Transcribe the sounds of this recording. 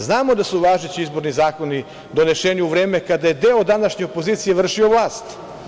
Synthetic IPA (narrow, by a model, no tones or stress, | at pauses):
znaːmo̞d̪asuʋaːʒet͡ɕiizbo̞ɾnizaːko̞ni | d̪o̞ne̞ʃeːniuʋɾe̞ːme̞kad̪aje̞d̪eːod̪anaʃɲe̞opoziːt̪sije̞ʋr̩ʃio̞ʋlˠaːst̪